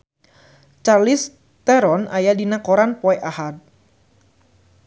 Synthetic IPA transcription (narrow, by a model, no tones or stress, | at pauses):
t͡ʃarlis | t̪ɛɾɔnajadinakɔɾanpɔɛʔahad̚